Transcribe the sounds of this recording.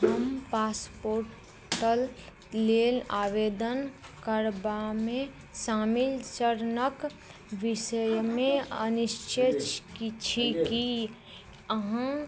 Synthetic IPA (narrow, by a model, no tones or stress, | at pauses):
ɦəmpaspoɾ | ʈəlː | eːlaʋeːd̪ənkəɾbamẽ | saːmilt͡ʃəɾnək | ʋɪsəjmẽənɪʃt͡ʃʰet͡ʃkit͡ʃʰiki | əɦã